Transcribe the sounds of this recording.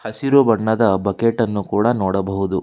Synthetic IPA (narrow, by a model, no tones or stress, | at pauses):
hɐsiɾubɐɳːɐd̪ɐbɐkeʈɐnːukuːɽɐnoːɽɐbɐɦud̪u